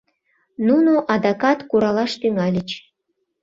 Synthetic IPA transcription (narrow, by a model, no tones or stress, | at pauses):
nunoʔɑd̪ɑkɑt̪kuɾɑlɑʃt̪yŋælʲət͡ɕ